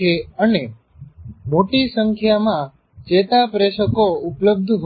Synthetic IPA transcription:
eəne | moʈisəŋkʰjamã | t͡ʃet̪apɾeʃəkoʊpləb̚d̪ʱɦ

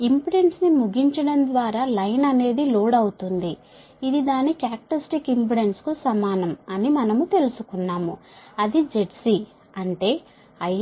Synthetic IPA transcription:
impiɽe̞ɳʈsnimuɡiɲt͡ʃɐɽɐnd̪ʋaːɾaːlɐjnɐne̞ːd̪iloːɽɐwut̪und̪i | id̪id̪aːnikaːk̚ʈɐsʈikimpiɽe̞ɳʈskusɐmaːnɐmɐnimɐnɐmut̪e̞lusukunːaːmuɐd̪id͡ʒe̞ʈsi | ɐɳʈe̞ː | ɐj

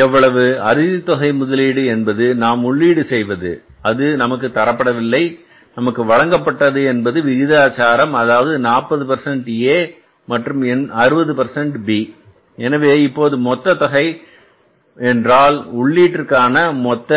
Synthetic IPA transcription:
ɛʋːɐɭɐʋɯɐɾɪðit̪ːɔɣɐɪmʊðɐliːɽɯɛnbɐðɯnaːmʊɭːiːɽɯsɛjʋɐðɯ̰ | ɐðɯnɐmɐk̬ːɯt̪ːɐɾɐpːɐɽɐʋɪlːɐɪ | nɐmɐkːɯʋɐɭɐŋɡɐpːɐʈːɐðɯɛnbɐðɯʋɪðɪðaːt͡ʃaːɾɐmɐðaːʋɐðɯnaːpːɐðɯpɐɾsɛɳʈeː | mɐʈrɯmɛnɐɾɯbɐðɯpɐɾsɛɳʈbiː | ɛnɐʋeːɪpːoːðɯmɔt̪ːɐt̪ɔɣɐɪ | ɛndraːlʊɭːiːʈːɪɾkaːnɐmɔt̪ːɐ

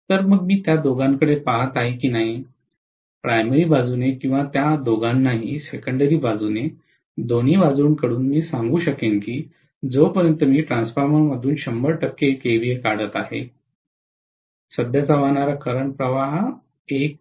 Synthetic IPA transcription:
t̪əɾməɡ̚miːt̪jad̪oɡaŋkəɽepaɦat̪aɦekiːnaɦi | pɾajmeɾiːbad͡zuːnekĩw̃ʋat̪jad̪oɡanːaɦisekəɳɖəɾiːbad͡zune | d̪oñ̤iːʋad͡zuːɳkəɽuːnmiːsaŋɡuːɕəkenkiː | d͡zopəɾənt̪əmiːʈɾãnsfaɾməməd̪ʱuːnɕəmbəɭʈəkːekebiekaɽət̪aɦḛ | səd̪ʱjat͡saʋaɦɳ̃aɾakəɾəɳpɾəʋaɦ | ek̚

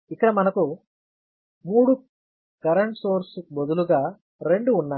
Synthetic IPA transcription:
ikːɐɽɐmɐnɐku | muːɽu | kɐɾɐɳʈsoːɾsbod̪uluɡaː | ɾe̞ɳɖuːnːaː

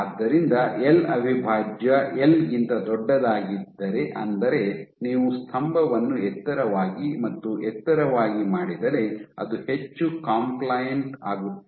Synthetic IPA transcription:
aːd̪ːɐɾind̪ɐelɐbʱibʱaːd͡ʒjɐelɡint̪ɐd̪ɔɖːɐd̪aːɡid̪ːɐɾe̞ʔɐnd̪ɐɾe̞niːʋust̪ʰɐmbʱɐʋɐnːuɛt̪ːɐɾɐʋaːɡimɐt̪ːuʔɛt̪ːɐɾɐʋaːɡimaːɽid̪ɐɾe̞ɐ̰d̪uhe̞t͡ʃːukaːmplajɐɳʈa̰ːɡut̪ː

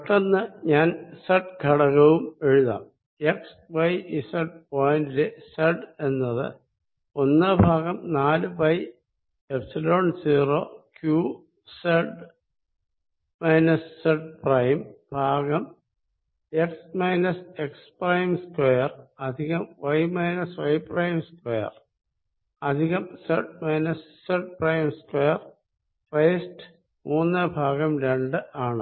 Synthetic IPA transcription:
ʈːenːɨɲaːnseʈːɡʱɐɽɐɣɐʋume̞ɻuða̰ːm | eks | ʋɐjisɐɖ̚poːjndileseɖe̞nːɐðɨ̰ | o̞nːɨbʱaːɡɐmnaːlɨpɐj | ebsilo̞ːɳɖsiːroːkjuː | seɖ | mɐjnɐsseɖ̚prɐjmbʱaːɡɐm | eksmɐjnɐseksprɐjmskwejɐrɐd̪ʱiɣɐmʋɐjmɐjnɐsʋɐjprɐjmskwejɐ̰r | ɐd̪ʱiɣɐmseɖmɐjnɐsːeɖ̚prɐjmskwejɐr | fɐjsʈɨ̥ | muːnːɨbʱaːɡɐmɾe̞ɳɖɨaːɳɨ

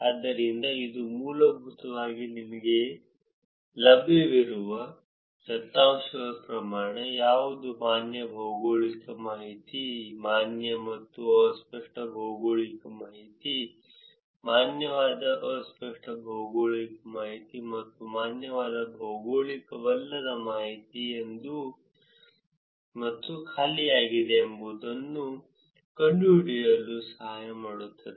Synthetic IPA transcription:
ɐd̪ːɐɾind̪ɐid̪umuːlɐbʱut̪ɐʋaːɡininɐɡe̞ | lɐbʱiʋiɾuʋɐ | sɐt̪ːaːmʃɐd̪ɐpɾɐmaːɳejaːʋud̪umaːnjɐbʱɐwɡoːɭikɐmaːɦit̪imaːnjɐmɐt̪ːuɐspɐʂʈɐbʱɐwɡoːɭikɐmaːɦit̪i | maːnjɐʋaːd̪ɐʔɐʋɐspɐʂʈɐbʱɐwɡoːɭikɐmaːɦit̪imɐt̪ːumaːnjɐʋaːd̪ɐbʱɐwɡoːɭikɐʋɐlːɐɾɐmaːɦit̪iend̪u | mɐt̪ːukʰaːlijaːɡid̪eːmbuːd̪ɐnːu | kɐɳɖjuːɖijɐlːusɐɦaːjɐmaːɽut̪ːɐd̪e

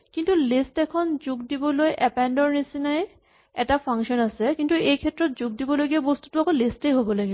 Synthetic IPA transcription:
kint̪ulisʈɛkʰɔnd͡ʑoɡdibolojʔɛpɛnɖɔɹnisinaj | ɛ̰ʈapʰaŋʃɔnasekint̪uejkʰɛtːɾɔt̚d͡ʑoɡ̚dibɔloɡiabost̪u̥tuakʰɔlisʈejɦobɔloɡi

